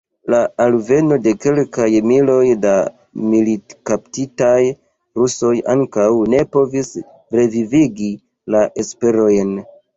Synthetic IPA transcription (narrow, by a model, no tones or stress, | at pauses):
laalve̞no̞de̞ke̞lkajmilo̞jda | militkaptitaj | ɾuso̞jaŋkawne̞po̞vis | ɾe̞viviɡi | laʔe̞spe̞ɾo̞jn